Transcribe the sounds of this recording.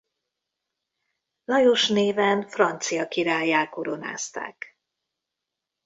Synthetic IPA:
lɒjo̞ʃneːvɛnfrɒnt̪sijɒkiɾaːjːaːlko̞ɾo̞na̰ːst̪a̰ːk

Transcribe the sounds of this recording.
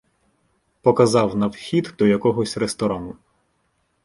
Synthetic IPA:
pɔkɐzɑwnɐwxʲid̪d̪ɔjɐkɔɦɔsʲrest̪ɔɾɑnʊ

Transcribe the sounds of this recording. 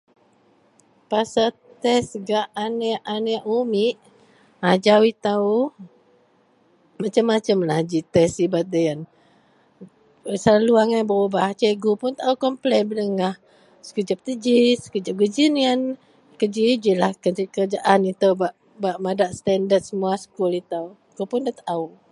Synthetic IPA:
pasa | t̪ɛsɡaʔaneʔaneʔumiʔ | ad͡ʒawit̪au | mat͡ʃəmːat͡ʃəmlad͡ʒit̪ɛsibat̪̚d̪əjan | səlaluaŋajbəɾubaht͡ʃɛɡupʊnt̪aaukɔmplɛbələŋah | skəd͡ʒəp̚t̪əd͡ʒiskəd͡ʒap̚ɡəd͡ʒinian | kəd͡ʒid͡ʒilahkəikəɾəd͡ʒaʔanit̪əwbaʔ | baʔmadaʔst̪ɛndət̪̚səmuasə̥kulit̪aw | ɡ̥upundat̪aʔau

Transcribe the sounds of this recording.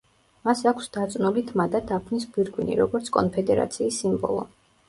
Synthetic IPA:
masakʷʰsd̪at̪sʼnulit̪ʰmad̪ad̪apʰnisbiɾɡwinḭɾɔɡɔɾt̪sʰkʼɔ̰npʰɛd̪ɛɾa̰t̪sʰiːsːimbɔ̰lˠɔ̰

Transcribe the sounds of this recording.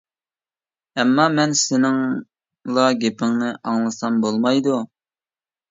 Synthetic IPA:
ɛmːɑmɛnsɪnɪŋ | lˠɑɡʲepɪŋnɪʔɑŋlˠɨsɑmbolˠmɑjd̪u

